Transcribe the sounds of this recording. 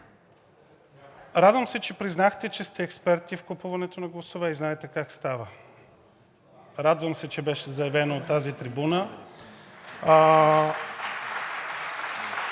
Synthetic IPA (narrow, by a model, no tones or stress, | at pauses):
ɾad̪vəmsɛt͡ʃɛpɾiznaxt̪ɛt͡ʃɛst̪ɛːkspɛɾt̪ifkopuvɐnɛt̪onɐɡlˠɐsovɛiznaɛt̪ɛkakst̪avə | ɾad̪vəmsɛt͡ʃɛbɛʃɛzɐjɛvɛnoot̪ːazit̪ɾibunə